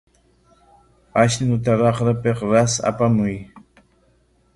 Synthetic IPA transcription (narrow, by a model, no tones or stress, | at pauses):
aʃnʊt̪̬aɾɑχɾapeqɾasa̰pamʊj